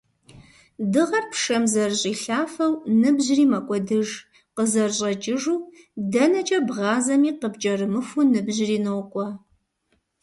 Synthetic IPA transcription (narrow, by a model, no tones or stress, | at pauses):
dɨʁɐrpʰʂɐmzɐrɕʼiːɬaːfɐwnɨbʑriːmɐkʷʼɔdɨʒ | qəzɐrɕʼɐt͡ʃʼɪʒuː | dɐnɐt͡ʃʼɐbʁɑːzɐmiːqəbt͡ʃʼɐrɨmɨxʷunɨbʑriːnɨwqʷʼɔ